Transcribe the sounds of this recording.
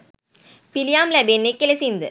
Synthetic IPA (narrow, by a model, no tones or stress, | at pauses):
pilijaːmlɐbenːekːelɐsind̪ɯ